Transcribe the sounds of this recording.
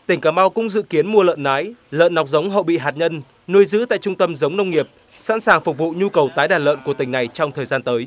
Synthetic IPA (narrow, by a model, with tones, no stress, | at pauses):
t̪ï˨˩ŋ̟kaː˧˩ma˧wkʊ̰˧˥ŋ͡mzɨ̰˧˨ki˨˦ənmu˧ələ̰ː˧˨nnaː˨˦jlə̰ː˧˨nːa˨˩wk͡p̚zə˨˦wŋ͡mɦo̰˧˨ɓḭ˧˨ɦaː˨˩t̚ɲə˧n | nu˧əjzɨ̰˧˥t̪a̰ː˧˨jt͡ɕʊ˧ŋ͡mt̪ə˧mzə˨˦wŋ͡mnə˧wŋ͡mŋi˨˩əp̚ | sa̰˧˥nsaː˨˩ŋfʊ˨˩k͡p̚vṵ˧˨ɲu˧kə˨˩wt̪aː˨˦jɗaː˨˩lə̰ː˧˨nku˧˩ət̪ï˨˩ŋ̟na˨˩jt͡ɕɔ˧wŋ͡mt̪ʰəː˨˩jzaː˧nt̪əː˨˦j